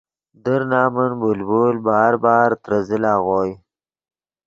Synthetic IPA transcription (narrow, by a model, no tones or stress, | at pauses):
d̪əɾnaːmənbulbuːlbɑːɾbɑːɾt̪ɾazɪlaːɣoːj